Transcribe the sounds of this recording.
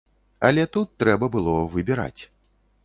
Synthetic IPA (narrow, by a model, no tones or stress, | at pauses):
ɐ̰lʲɛt̪ut̪ːɾɛbɐbɨlˠɔvɨbʲiɾa̰t͡sʲ